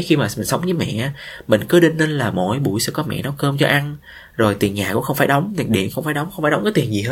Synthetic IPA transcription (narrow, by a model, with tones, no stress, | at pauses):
xi˧maː˨˩ï˨˩ŋsə˨˦wŋ͡mɲɨ˨˦mɛ̰˧˨ʔaː˨˦mï˨˩ŋ̟kɨ˨˦ɗi˧nli˧nlaː˨˩mo̰˧˨jɓṵ˧˩jsɛ̰˧˥kɔ˨˦mɛ̰˧˨nɔ˨˦wkəː˧mt͡ɕɔ˧ʔa˧n | zo˨˩jt̪i˨˩ənɲaː˨˩kʊ̰˧˥ŋ͡mxə˧wŋ͡mfaː˧˩jɗə˨˦wŋ͡mt̪i˨˩nɗḭ˧˨ənxə˧wŋ͡mfaː˧˩jɗə˨˦ŋ͡mxə˧wŋ͡mfaː˧˩ɗwŋ͡mkːaː˨˦t̪i˨˩ənzi˨˩ɦəː˧